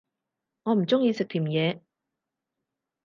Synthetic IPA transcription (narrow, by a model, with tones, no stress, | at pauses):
ŋɔː˨˧m̩˨˩t͡sʊ˥ŋjiː˧sɪ˨k̚t̪ʰiː˨˩mjɛː˨˧